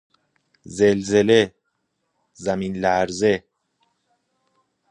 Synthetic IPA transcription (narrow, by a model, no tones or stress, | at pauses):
zelze̞le | zæmiːnlæɾze